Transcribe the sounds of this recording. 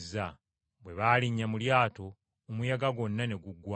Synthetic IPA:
zːa | bwe̞βaːliɲːamuljaːto̞ː | mujaɡaɡo̞nːane̞ɡuɡwa

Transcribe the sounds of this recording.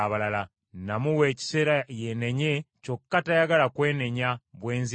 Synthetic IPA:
aβalala | namuwe̞ːci̥se̞ːɾajene̞ɲe̞co̞kːatajaɡalakwe̞ːne̞ɲaβwe̞ːnzi

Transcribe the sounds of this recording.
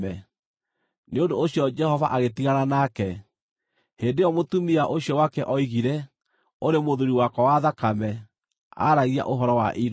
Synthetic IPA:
ɛ | neondoːɕiɔd͡ʒɛhɔvaʔaɣetiɣaɾanakɛ | heːndejɔmotumiaʔoɕjɔwakɛʔɔiɣiɾɛ | oɾemoðuɾiwakɔwaðakamɛ | a̰ɾaɣia̰ʔoɦɔɾɔwa̰ʔiɾ

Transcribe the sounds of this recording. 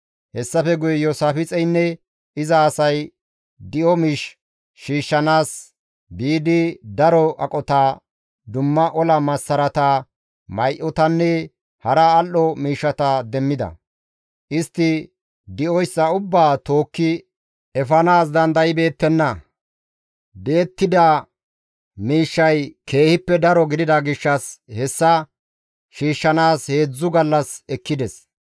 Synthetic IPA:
hɛsːɐfɛɡʊjɛjɔsaːfɪt͡sʼɛjnːɛ | ɪzɐːsɐj | d̪ɪʔɔmiːʃ | ʃiːʃːɐnaːs | biːd̪ɪd̪ɐɾɔʔɐkʼɔt̪a | d̪ʊmːɐʔɔlɐmɐsːɐɾɐt̪ɐ | mɐjʔɔt̪ɐnːɛ | hɐɾɐːlːɔmiːʃːɐt̪ɐd̪ɛmːɪd̪ɐ̰ | ʔɪst̪ːɪ | d̪ɪʔɔjsːɐʊbːaːt̪o̞ːkːɪ | ʔɛfɐnaːs̬d̪ɐnd̪ɐjɪbe̞ːt̪ːɛnːɐ | be̞ːt̪ːɪd̪ɐ | miːʃːɐjkʰe̞ːhɪpːɛd̪ɐɾɔɡɪd̪ɪd̪ɐɡɪʃːɐshɛsːɐ | ʃiːʃːɐnaːshe̞ːd͡zːʊɡɐlːɐsɛkːɪd̪ɛs

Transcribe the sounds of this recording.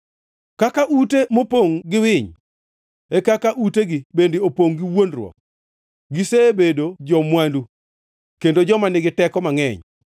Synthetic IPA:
kakaʔutemopoŋɡɪwɪɲ | ekakaʔuteɡibendiopoŋɡiwondrwɔ̰k̚ | ɡiseːbedod͡ʒɔmwandu | kendod͡ʒɔmanɪɡɪtɛkɔmaŋɛ̰ɲ

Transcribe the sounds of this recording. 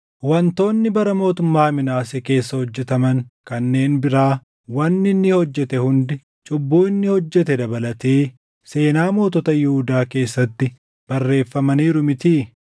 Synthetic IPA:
wɐnt̪o̞ːnːɪbɐɾɐmo̞ːt̪ʊmːaːmɪnaːsɛke̞ːsːɐhɔd͡ʒːɛt̪ɐmɐŋkɐnːe̞ːnbɪɾaː | wɐnːɪnːɪhɔd͡ʒːɛt̪ɛhʊnd̪ɪ | t͡ʃʼʊbːuːɪnːɪhɔd͡ʒːɛt̪ɛd̪ɐbɐlɐt̪eː | se̞ːnaːmo̞ːt̪ɔt̪ɐjɪhʊd̪aːke̞ːsːɐt̪ːɪ | b̥ɐrːe̞ːfːɐmɐniːɾʊmɪt̪iː

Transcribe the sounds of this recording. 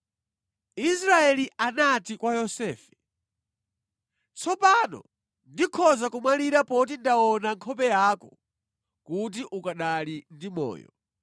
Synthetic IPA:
isɾaɛlianatikwajɔsɛːfɛ̥ | t͡sʰɔpanɔ̰ | ndikʰɔzakumaliɾapɔt̬indaɔnaŋkʰɔpɛjaːkɔ | kut̬iʔukaɗalindimɔ̰ːjɔ̰

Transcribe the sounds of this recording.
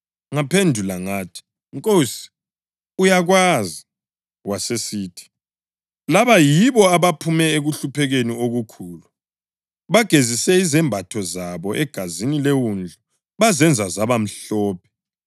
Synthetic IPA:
ŋapʰendʱulaŋaːtʰi̥ | ŋkʼosi̥ | ujaɣwaːzi | wasesiːtʰi̥ | laβajiβɔaβapʰumɛeɣuɬupʰɛɣenioɣukʰuːlu | βaɡ̥ʱezisɛizɛmbʱatʰɔzaβɔʔɛɡ̥ʱazinilewund͡ɮʱu | βazɛnd͡zʱazaβam̩ɬɔːp̚ʰɛ̥

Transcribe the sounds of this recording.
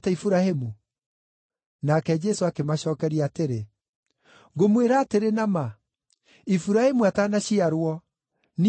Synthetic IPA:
tɛifuɾahemu | nakɛd͡ʒɛsoakemaɕɔːkɛɾiateɾe | ɡomweɾaːteɾenama | ifuɾahemuatanaɕiaɾwɔ | n

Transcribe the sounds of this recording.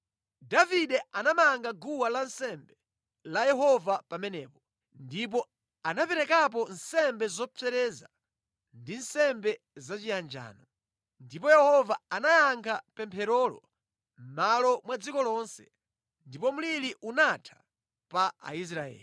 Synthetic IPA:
daviɗɛanamaŋɡaɡuwalansɛmbɛ | lajɛɦɔvapamɛnɛːpɔ | ndip̬ɔ | anapɛɾɛkap̬ɔnsɛmbɛzɔpʰɛɾɛza | ndinsɛmbɛ | zat͡ʃijand͡ʒa̰ːnɔ | ndipɔjɛhɔvaanajaŋkʰapɛmpʰɛɾɔlɔ̰ | m̩malɔmwad͡zikɔlɔnsɛ | ndipɔm̩liliʔunatʰḁ | paa̰is̬ɾaɛ̰ːli

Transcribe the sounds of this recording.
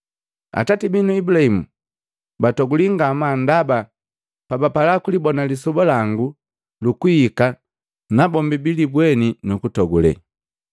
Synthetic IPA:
a̰tatibinuibulaimu | batɔɡuliŋɡamandaba | pabapalakulibɔnalisɔbɔlaŋɡu | lukuika | nabɔmbibilibwɛninukutɔɡulɛ̰

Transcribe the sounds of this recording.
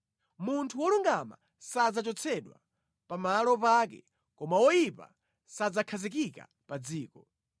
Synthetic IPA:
muntʰuwɔluŋɡama̰ | sad͡zat͡ʃɔt͡sʰɛɗwa̰ | pamalɔpak̬ɛ̰ | kɔmawɔjipa̰ | sad͡zakʰazik̬ika̰ | pad͡ziːkɔ

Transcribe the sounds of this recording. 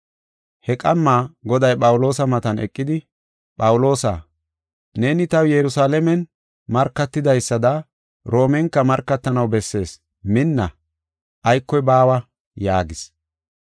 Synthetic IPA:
hɛkʼɐmːaːɡɔd̪ɐjpʼɐwʊlo̞ːsɐmɐt̪ɐnɛ̰kʼːɪd̪ɪ | pʼɐwʊlo̞ːsa̰ː | ne̞ːnɪt̪ɐwjɛɾʊsaːlɛmɛn | mɐɾkːɐt̪ːɪd̪ɐjsːɐd̪ɐ | ɾo̞ːmɛŋkːɐmɐɾkːɐt̪ːɐnɐwbɛsːe̞ːs | mɪnːɐ̰ | ʔɐjkːɔjbaːwɐ | jaːɡɪs

